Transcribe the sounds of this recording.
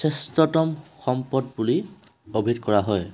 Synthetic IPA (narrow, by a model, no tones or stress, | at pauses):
sestɔtɔmxɔmpɔdbuliobʱidkɔɹaɦɔj